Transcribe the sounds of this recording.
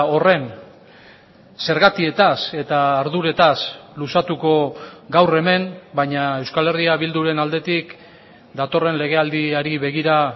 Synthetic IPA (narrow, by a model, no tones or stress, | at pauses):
o̞re̞n | se̞ɾɣat̪ie̞t̪ase̞t̪aːɾðuɾe̞t̪aslusat̪uko̞ɡawre̞me̞mbaɲae̞wskale̞riaβild̪uɾe̞nald̪e̞t̪ik | d̪at̪o̞re̞nle̞ɣ̞e̞ald̪iaɾiβe̞ɣiɾa